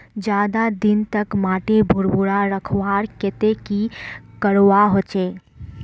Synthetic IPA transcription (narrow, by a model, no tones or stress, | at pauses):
d͡ʒjaːd̪ad̪ɪnt̪əkmaːʈebʱʊɾbʊɽaɾəkʰwaːɾket̪ekikəɾwaɦoːt͡ʃeː